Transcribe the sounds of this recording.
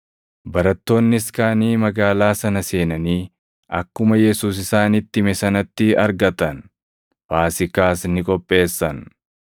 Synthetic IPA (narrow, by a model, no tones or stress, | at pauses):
bɐɾɐt̪ːo̞ːnːɪɪskaːniːmɐɡaːlaːsɐnɐse̞ːnɐniː | ʔɐkːʊmɐjɛsuːs̬ɪsaːnɪt̪ːɪmɛsɐnɐt̪ːɪɐɾɡɐt̪ɐn | faːsɪkaːsnɪkʼɔpʼːe̞ːsːɐn